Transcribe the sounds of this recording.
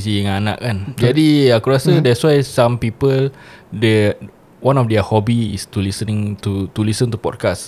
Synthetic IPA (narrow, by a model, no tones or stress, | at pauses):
is̬iəŋana̰ʔkand͡ʒadiakuɾasədɛtswajsãmpipəldə | wãnɔfdɛahɔbiḭst̪ulisənĩŋt̪ut̪ulisə̃nt̪upɔ̰d̚kas